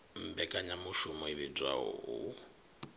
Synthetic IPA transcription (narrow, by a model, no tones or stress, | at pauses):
m̩bɛkʼaɲamuʃumɔiβib͡ʐwa̰ɦɔ̰ɦu